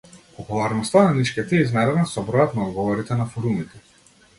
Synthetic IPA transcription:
pɔpulˠaɾnɔst̪ananiʃkʲɛt̪ɛiznad̪ɛnasɔbɾɔjɔt̪naɔd̪ɡɔvɔɾit̪ɛnafɔɾumit̪ɛ

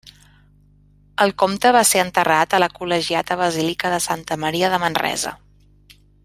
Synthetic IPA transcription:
əlˠkomt̪əβaseənt̪ərat̪ələkuləʒiat̪əβəzilikəðəsant̪əməɾiəðəmənrɛ̰zə̰

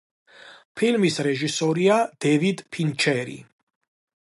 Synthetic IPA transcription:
pʰilmisɾɛʒisɔɾiad̪̥ɛvid̪pʰint͡ʃʰɛɾḭ

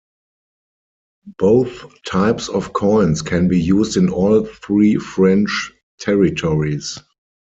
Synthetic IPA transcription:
b̥oʊθtʰaɪpsɔfkʰɔ̃ɪ̃nskʰɛ̃nbiːjuːzdɪ̃nɔːlθɹiːfɹɛ̃nt͡ʃ | tʰɛɹitʰɔɹis

